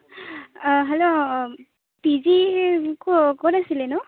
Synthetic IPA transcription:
ɦɛlo | pizikokonasilɛnʊ

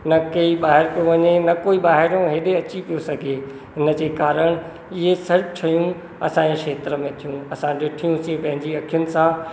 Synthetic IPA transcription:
nɐkɐiɓaːɦɪɾkijõʋɐɲenɐkoːiɓaːɦɪɾõɦeːɗeɐt͡ɕipijosɐɡʱe | ɦɪnəd͡ʑeːkaːɾəɽ̃ | ɪɦesɐɾbt͡ɕʰɐjũ | ɐ̰sãːd͡ʑeʃeːt̪ɾəmẽt̪ʰijũɐsãɗɪʈʰijũsĩpɐ̃ɦɪ̃ɲd͡ʑiɐkʰijʊnɪ̆sã

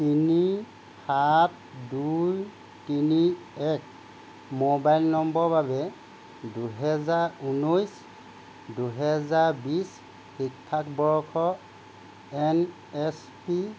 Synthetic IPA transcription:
tini | hat̚duj | tini | ɛk̚ | mobajlnɔmbɔɹbabɛ | duɦɛzaɹunojs | duɦɛzaɹbis | xik̚tʰakbɔɹɔkʰɔ | ɛn | ɛs | pi

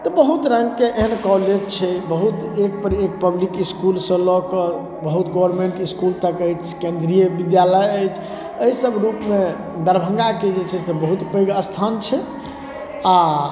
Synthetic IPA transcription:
t̪ɔbəɦut̪ɾəmkeʔeɦənkɔled͡ʒt͡ʃʰɛbəɦut̪ek̚pəɾek̚pəblikiskulsə̃lɔkə | bəɦut̪ɡɔwəɾmeɳʈiskult̪əkəjt͡ʃʰkẽnd̪ɾijəbid̪jaləjəjt͡ʃʰ | əɦisəbɾupme | d̪əɾbʱə̃ŋɡaked͡ʒet͡ʃʰɛsebəɦut̪pəjɡəst̪ʰant͡ʃʰɛ | a

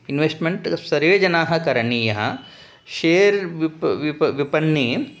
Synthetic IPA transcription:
inʋeːsʈmeɳʈsɐɾjoːd͡ʒɐnaːɦɐkɐɾɐniːjɐɦɐ̰ | ʃeːɾʋ | ʋipɐnːiː

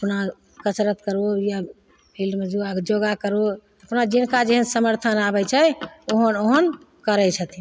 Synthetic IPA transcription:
əpna | kət͡ʃɾət̪kəɾoja | bʰilɖmed͡ʒuad͡ʒoɡakəɾo | əpnad͡ʒinkad͡ʒeɦənsəməɾt̪ʰənabɛt͡ʃʰɛoɦənoɦən | kəɾɛt͡ʃʰət̪i

